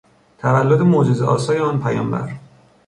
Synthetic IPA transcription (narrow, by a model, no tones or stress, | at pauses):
t̪ʰævælːod̪emod͡ʒezeʔɒ̰ːsɒːjeɒːnpʰæjɒːmbæ̰ɾ